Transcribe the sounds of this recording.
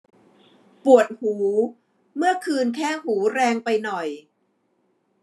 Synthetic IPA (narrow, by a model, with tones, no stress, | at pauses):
pu˨˩ət̪̚huː˩˦ | mɯ˥˩ɐəkʰɯː˧nkʰɛː˥˩huː˩˦ɾɛː˧ŋpa˧jnɔ˨˩j